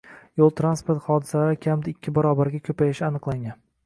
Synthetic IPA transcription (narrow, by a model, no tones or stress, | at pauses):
jolˠt̪ɾanspoɾt̪χɒd̪ɪsalaɾɪkʲʰamd̪aɪkʲʰːɪbaɾɒbaɾɡʲakʲʰɵpajɪʃɪanɨqlˠaŋɡʲan